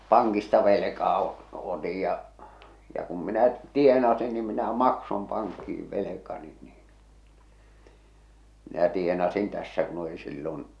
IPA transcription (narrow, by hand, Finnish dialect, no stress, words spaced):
pɑŋkistɑ ʋelekɑː o otij jɑ jɑ kum minæ tienɑsin ni minæ mɑksom pɑŋkːiiʋ ʋelekɑni niːn minæ tienɑsin tæsːæ kun oli silːon